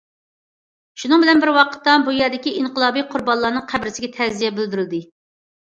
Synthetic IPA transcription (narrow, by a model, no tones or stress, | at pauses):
ʃunɨŋbɪlɛnbɪɾwɑqə̥t̪ːɑbujɑɾd̪ɪkʲiʔiŋqəlˠɑːbijqʰʊɾbɑnlˠɑːnɨŋqʰæbɾɪsɪɡʲɛt̪ʰɛzijɛbɪld̪yɾɪld̪ɪ